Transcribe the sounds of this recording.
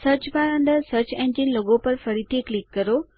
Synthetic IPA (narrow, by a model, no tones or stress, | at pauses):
sɐɾt͡ɕpaːɾə̃nd̪əɾsəɾt͡ɕẽɲd͡ʑɪnloɡopɐɾfɐɽit̪ʰeklɪkːɐɾo